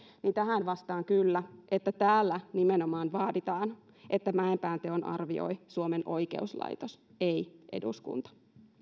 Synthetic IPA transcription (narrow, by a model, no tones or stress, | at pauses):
nint̪æɦænʋɑst̪ɑːŋkylːæʔet̪ːæt̪æːlːænimenomɑːnʋɑːdit̪ɑːn | ʔet̪ːæmæempæːnt̪eonʔɑ̰rʋio̰isuomenʔo̞ike̞̰uslɑ̰it̪os | eiʔe̞̰dṵskṵnt̪ɑ̥